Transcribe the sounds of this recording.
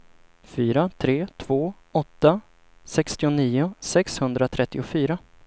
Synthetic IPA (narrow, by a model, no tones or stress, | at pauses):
fyːɾat̪ʰɾeːt̪ʰv̥oː | ɔt̪ːa | sɛkst̪ɪʊniːʊsɛkshɵnd̪ɾat̪ʰɾɛt̪ːɪʊfyːɾa